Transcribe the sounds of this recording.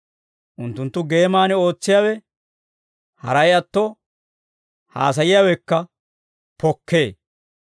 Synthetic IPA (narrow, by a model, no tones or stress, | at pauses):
ʔʊnt̪ːʊnt̪ːʊɡe̞ːmaːnɛo̞ːt͡sːɪjaːwɛ | hɐɾɐjɐt̪ːo | ha̰ːs̬ɐjɪjaːwɛkːɐ | pɔkːeː